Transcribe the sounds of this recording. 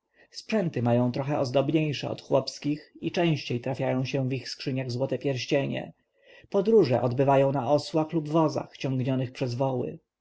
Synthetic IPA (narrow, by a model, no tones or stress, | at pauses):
spʂɛnt̪ɘmajɔ̃w̃t̪ɾɔxɛɔzd̪ɔbɲejʂɛ̰ɔ̰t̪xwɔpskʲixit͡ʂɛ̃w̃ɕt͡ɕejt̪ɾafʲjajɔ̃w̃ɕɛ̃vixskʂɘɲaɣzwɔt̪ɛpʲjɛɾɕt͡ɕeɲɛ̰ | pɔd̪ɾuʐɛʔɔd̪bɘvajɔ̃w̃naɔswaxlubvɔza̰xt͡ɕɔ̃ŋɡɲɔnɘxpʂɛzvɔwɘ̰